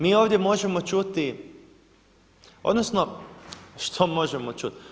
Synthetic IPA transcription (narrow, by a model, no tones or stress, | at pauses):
miːoːʋd̪jemo̞ʒemot͡ʃut̪i | od̪nosno | ʃt̪ʰomo̞ʒemot͡ʃut̪